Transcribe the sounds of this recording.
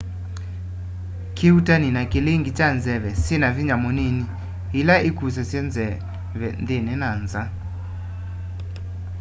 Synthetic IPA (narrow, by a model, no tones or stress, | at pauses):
kʰɪutaninakɪleŋɡit͡ʃand͡zɛβɛsɪnaviɲamɔneni | ilaʔɪkus̬ɛsjɛnzɛ | vɛnd̪enɛnanza